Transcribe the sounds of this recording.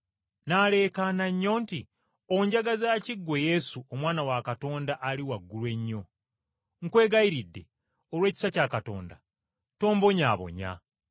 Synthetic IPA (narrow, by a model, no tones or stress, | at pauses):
naːle̞ːkanaɲːo̞ːnti | oɲɟaɡazaːciɡːo̞je̞suomwaːnawakato̞ːndaʔːliwaɡːulwe̞ɲːo̞ | ŋkwe̞ːɡaiɾidːe̞ | olwe̞ːci̥sacaːkato̞̰ːnda̰ | to̞ːmbo̞ɲaːβo̞̰ɲa̰